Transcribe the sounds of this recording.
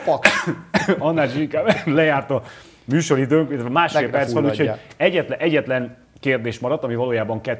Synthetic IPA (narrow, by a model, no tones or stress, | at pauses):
pk | ɒnːaːliʃiŋkaːbblɛjaːrt̪ɒ | myːʃo̞ɾid̪øːŋkilɛt̪ʋɛmaːʃeːlpɛrsʋɛnuːcʰoɛɟːɛt̪lɛʔɛɟːɛt̪lɛn | keːrd̪eːʃmɒɾɒt̪ːɒmivɒloːjaːbɒŋkɛt̪ː